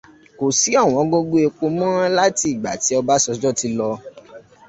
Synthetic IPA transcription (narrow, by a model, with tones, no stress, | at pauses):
ko˨si˨˦a˦˨w̃ɔ̃˨˦ɡo˦ɡo˦e˧k͡po˧mɔ̃˦ã˦la˦ti˧˨i˨ɡ͡ba̰˨ti˨˦ɔ˧ba˦sɔ˧d͡ʒɔ˦ti˧lɔ˧